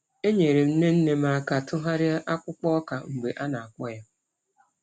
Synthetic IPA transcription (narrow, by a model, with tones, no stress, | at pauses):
e˦ɲe˨ɾe˨m̩˦ne˦n̩˦ne˦ma˨a˨ka˨tʊ˦ɦa˦ɾɪ˦a˦ʔa˦kʷʊ˦k͡pɔ˦ka˨ŋ͡m̩˨ɡ͡be˨ʔa˦na˨a˨k͡pɔ˦ja˦